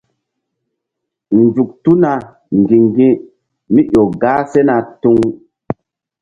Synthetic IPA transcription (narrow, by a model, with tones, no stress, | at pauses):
n˨d͡ʒu˨k̚tu˦na˨ | ŋ˨ɡĩ˨ŋɡĩ˦ | mi˦ʔo˨ɡaː˦se˦na˨tu˦ŋ